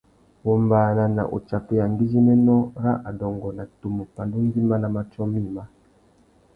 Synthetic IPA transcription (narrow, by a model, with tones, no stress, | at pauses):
wo˨mba˨na˨na̰˨ʔo̰˨t͡ʃa˨pɛ˨ja˨ŋ˦ɡi˦zi˦nɛ˦nɔ˦ɾa˦ʔa˨dɔ˨ŋɡɔ˨na˨tu˨mu˨pa˨ndu˦n˦di˦ma˦na˨ma˦t͡ʃɔ˦mi˦˨ma˦